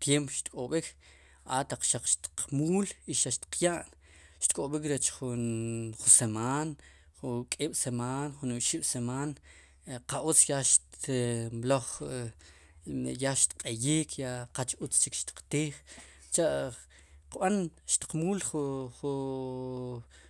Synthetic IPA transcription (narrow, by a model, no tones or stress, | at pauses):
t̪jempoʃt̪kʼoɓik | a̰t̪aq͡χʃaq͡χʃt̪i̥qmuːliʃaʃt̪i̥qʰjaːʔn | ʃt̪kʼoɓikɾet͡ʃχunχusemaːn | χukʼiːɓ̥semaːnχuniɓʃiɓ̥semaːn | qaʔut͡sjaʃtmloχ | ejaʃt̪qʼejiːkʰjaqat͡ʃut͡st͡ʃikʃt̪i̥qt̪iːχ | t͡ʃaʔ | qɓanʃt̪i̥qmuːlχuχu